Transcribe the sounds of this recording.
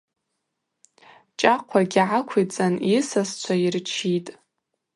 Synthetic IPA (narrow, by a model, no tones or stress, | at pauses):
t͡ʃʼaqʷʰaɡʲiʕakʷʰit͡sʼanisast͡sʷʰairt͡ʃʰitʼ